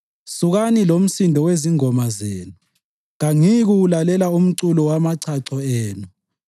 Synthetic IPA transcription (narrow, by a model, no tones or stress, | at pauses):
suɣanilom̩sindʱɔweziŋɔmazeːnu | ɣaŋiɣulalɛlaum̩ǀulɔwamaǀʰaǀɔeːnu